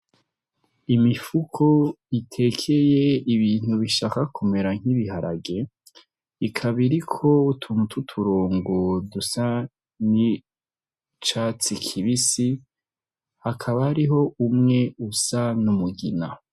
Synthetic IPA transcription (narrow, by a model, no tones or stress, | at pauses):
imifukʰo | itʰe̞kʰe̞jeiβiːn̥huβiʃaːkakʰume̞ɾaŋ̥iβiɦaɾa̰ɡe̞ | ikʰaβiɾikʰo̞utʰumutʰutʰuɾoːŋɡodusa | ni | t͡ʃaːt͡sikʰiβisi | hakʰaβahɾiɦo̞umŋe̞usanumuɡina